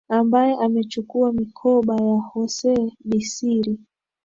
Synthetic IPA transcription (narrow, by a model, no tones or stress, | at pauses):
ambajɛʔamɛt͡ʃukuamikʰɔɓajahɔsɛɓisiɾi